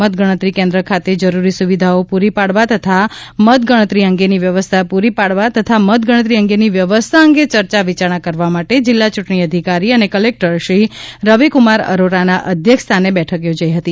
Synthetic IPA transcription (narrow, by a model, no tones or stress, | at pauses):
ət̪̚ɡəɽ̃ət̪ɾikẽnd̪ɾəkʰat̪ed͡ʒəɾuɾisuʋid̪ʱaopuɾipaɽʋat̪ət̪ʰamət̪ɡəɽ̃ət̪ɾiəŋɡeniʋjəʋəst̪ʰapuɾipaɽʋat̪ət̪ʰamət̪̚ɡəɽ̃ət̪ɾiəŋɡeniʋjəʋəst̪ʰaəŋɡet͡ʃəɾt͡ʃaʋit͡ʃaɾɳ̃akəɾʋamaʈed͡ʒɪlːat͡ʃuʈɳ̃iəd̪ʱikaɾiənekəlek̚ʈəɾʃɾiɾəʋikumaɾə̰ɾoɾanaʔəd̪ʱjəkʰst̪ʰanebɛʈʰəkjod͡ʒaiɦət̪i